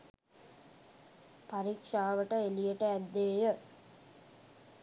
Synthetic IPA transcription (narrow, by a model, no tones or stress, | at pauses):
paɾikʂaːʋəʈəelijeʈəæd̪ːeːjə